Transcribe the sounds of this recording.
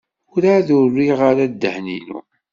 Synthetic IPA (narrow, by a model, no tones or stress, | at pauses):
ʊɾaðʊrːiʁaɾad̪ːəhnḭnṵ